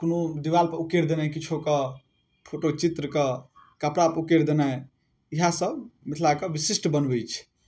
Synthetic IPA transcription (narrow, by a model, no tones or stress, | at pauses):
konod̪ibalpəukeɾd̪enajkit͡ʃʰokə | pʰoʈot͡ʃit̪ɾəkə | kəpɾapukeɾd̪enaj | iɦasəbmit̪ʰlakəbisisʈbənbet͡ʃʰ